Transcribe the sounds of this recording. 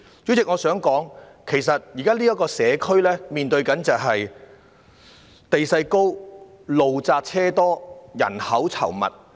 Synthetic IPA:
t͡ʃɵ˨˥t͡sɪ˨k̚ŋɔː˨˧sœː˨˥ŋkɔː˨˥ŋ | kʰe˨˩js̬ɐ˨t̚jiː˨kaː˥liː˥jɐ˥kːɔː˧sɛː˨˧kʰɵ˥ɥlɛː˥miː˨nt̪ɵ˧ɥkɐ˨˥nt͡sɐ˨wɦɐ˨j | t̪e˨jsɐ˧jko˥w | lo˨wt͡saː˧k̚t͡sʰɛː˥t̪ɔː˥jɐ̰˨˩nhɐ˨˥wt͡sʰɐ̰˨˩wmɐ̰˨t̚

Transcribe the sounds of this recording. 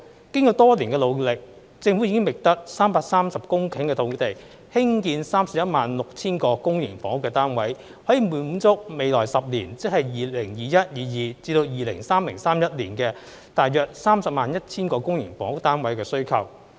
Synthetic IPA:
kɪ˥ŋkɔː˧wt̪ɔː˥liː˨˩nkɛ˧lo˨˧wlɪ˨k̚ | t͡sɪ˧ŋfu˨˥i˧˥kɪ˥ŋmɪ˨˩k̚t̪ɐ˥k̚saː˥mpaː˧k̚saː˥msɐ˨p̚kʊ˥ŋkʰɪ˨˥ŋkɛː˧t̪ʰo˨˧˥wt̪e˨˩j | hɪ˥ŋkiː˧nsaː˥msɐ˨p̚jɐ˥t̚maː˨nlʊ˨k̚t͡sʰiː˥nkɔː˧kʊ˥ŋjɪ˨˩ŋfɔː˨˥ŋ˥kːɛː˧t̪aː˥nwɐ˨˥j | hɔː˨˥jiː˨˩muː˨˧m̩˨˧˥t͡sʊ˥k̚me˨˧jlɔː˨˩jsɐ˨p̚liː˨˩nt͡sɪ˥hɐ˨jjiː˨lɪ˨˩ŋjiː˨jɐ˥t̚jiː˨jiː˨˩t͡siː˧t̪o˧wjiː˨lɪ̰˨˩ŋsaː˥mlɪ˨˩ŋsaː˥mjɐ˥t̚liː˨˩nkɛː˧ | t̪aː˨jːœː˨˩k̚saː˥msɐ˨p̚maː˨njɐ˥t̚t͡sʰiː˥nkɔː˧kʊ˥ŋjɪ˨˩ŋfɔː˨˥ŋ˥k̚t̪aː˥nwɐ˨˥jkɛː˧sɵ˥ɥkʰɐ˨˩w

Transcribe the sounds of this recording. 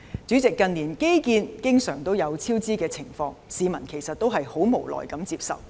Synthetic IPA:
t͡ʃyː˨˥t͡sɪ˨kːɐ˧nliː˨˩nke˥jkiː˧nkɪ˥ŋsœː˨˩ŋt̪o˥wjɐ˨˧wt͡sʰiː˥wt͡siː˥kɛː˧t͡sʰɪ˨˩ŋfɔː˧ŋsiː˨˧mɐ˨˩nkʰe˨˩jsɐ˨t̚t̪o˥wɦɐ˨jho˨˥wmo˨˩wlɔ̰ː˨˩jkɐ˨˥mt͡siː˧p̚sɐ̰˨w

